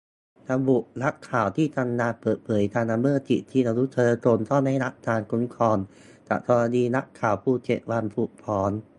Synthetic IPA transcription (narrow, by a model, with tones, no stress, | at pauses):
t̪a˧mbu˨˩ʔ̚na˦˥kʰːaː˨˩wt̪ʰiː˥˩t̪a˧mnaː˧pɤː˨˩t̪̚pʰɤː˩˦jt̪ʰaː˧nʔa˧mɯ˥˩t͡ɕ̪ḭ˨˩t̪ʰiː˥˩a˧wɾu˦˥t͡ɕʰɤː˧koː˧nt̪ɔ˥˩na˥˩jɾa˦˥p̚t̪ʰaː˧nkʰu˦˥nkʰɔː˧n | t͡ɕa̰˨˩t̪ʰɔ˧ɾa˧diː˧na˦˥kʰːaː˨˩wpʰuː˧˩t͡ɕḛ˨˩ʔ̚wa˧npʰuː˨˩k̚pʰɔː˩˦n